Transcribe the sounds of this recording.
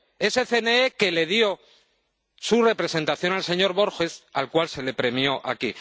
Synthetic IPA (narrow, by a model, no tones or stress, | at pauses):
e̞se̞θe̞neeke̞le̞ðjo̞ | sure̞pɾe̞se̞nt̪aθjo̞nalse̞ɲo̞ɾβo̞ɾxe̞sa̰lkwalse̞le̞pɾe̞mjo̞ʔa̰ki